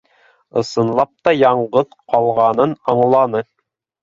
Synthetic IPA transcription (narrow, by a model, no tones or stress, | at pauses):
ɤ̰̆sɤ̆nlˠɑp̚t̪ɑjɑɴʁɤðqɑlˠʁɑnɤnɑɴlˠɑnɤ